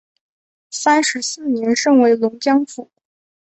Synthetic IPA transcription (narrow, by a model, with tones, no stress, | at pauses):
sa˥nʂɻ̩˧˥sɹ̩˥˩njɛ˧˥nʂɤ˥˩ŋwe˧˥ɪlʊ˧˥ŋt͡ɕjɑ˥ŋfu˥˩